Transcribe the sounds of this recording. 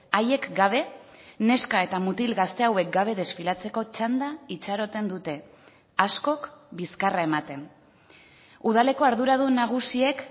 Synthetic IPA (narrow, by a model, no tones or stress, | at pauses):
aje̞kɡaβ̞e̞ne̞skae̞t̪amut̪ilɣast̪e̞awe̞k̚ɡaβ̞e̞ð̞e̞sfilat͡se̞ko̞t͡ʃand̪ait͡ʃaɾo̞t̪e̞nd̪ut̪e̞ | asko̞kbiskaraemat̪e̞n | uð̞ale̞ko̞aɾðuɾað̞unaɣ̞usie̞k